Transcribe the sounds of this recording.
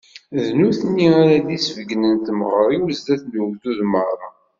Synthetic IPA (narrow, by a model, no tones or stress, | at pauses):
ðnuθənːiaɾaðisvəɡnənt̪məʁəɾˤiwəzd̪æθnuwd̪uðməɾɾˤɑ